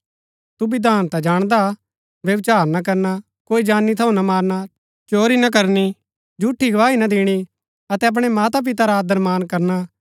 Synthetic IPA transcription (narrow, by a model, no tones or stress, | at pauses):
t̪ubid̪aːnt̪ɛd͡ʒaːɽ̃d̪a | ʋjɐʋt͡ʃaːɾnak̬ɐɾna | koːid͡ʒaːnːit̪ʰɐũnamaːɾna | t͡ʃoːɾinɐk̬ɐɾni | d͡ʒuʈʰːiɡɐʋaːinɐd̪ʱɪːɽ̃i | ɐt̪ɛɐp̬ɽ̃ɛmaːt̪ap̬ɪt̪aɾaːd̪əɾmaːnkɐɾna